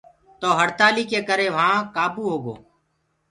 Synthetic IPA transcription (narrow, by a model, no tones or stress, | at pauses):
t̪oːɦəɾt̪aːliːkeːkəɾeːʋɦãːkaːbuːɦoːɡoː